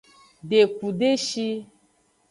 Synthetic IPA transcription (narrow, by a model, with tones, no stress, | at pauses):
ɖe˨ku˨ɖe˦ʃi˦